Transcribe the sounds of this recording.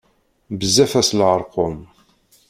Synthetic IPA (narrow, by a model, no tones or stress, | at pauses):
bəzːæfæslʕəɾˤqʊm